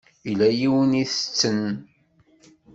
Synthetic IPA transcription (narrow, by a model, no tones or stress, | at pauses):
ilæjiwəniθə̥t͡sːən